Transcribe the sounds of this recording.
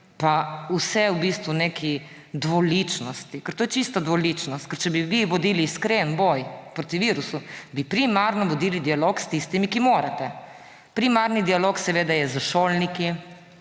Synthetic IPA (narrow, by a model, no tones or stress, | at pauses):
pausɛwbist̪ʋunekʰi | d̪ʋɔlit͡ʃnɔst̪ikɛɾt̪oːjɛt͡ʃist̪ad̪ʋɔlit͡ʃnɔst̪̚kɛɾt͡ʃɛbiʋiʋɔd̪iːliːskɾenbojpɾot̪iʋiːɾusubipɾimaɾnɔʋɔd̪iːlid̪ialokst̪ist̪imikimoːɾat̪ɛ | pɾimaɾnid̪ialoksɛʋeːd̪ajɛzaʃoːlniki